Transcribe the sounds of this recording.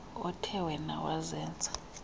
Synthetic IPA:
ɔtʰɛwɛnawazɛːnt͡sʼḁ

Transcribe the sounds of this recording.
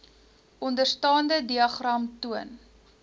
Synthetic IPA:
ʔɔndərstɑːndədiɐχrɐmtuən

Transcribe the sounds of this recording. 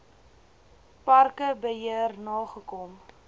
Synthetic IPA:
parkəbəɦiərnɑːχəkɔm

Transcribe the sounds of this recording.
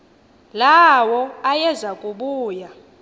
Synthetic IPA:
lawɔajɛzakʼuɓuːja

